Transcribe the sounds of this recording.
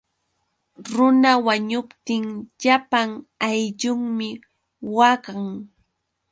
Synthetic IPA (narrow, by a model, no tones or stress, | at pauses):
ɾʊnawaɲʊpt̪ɪŋʎapaŋajʎʊŋmɪ | waɢaŋ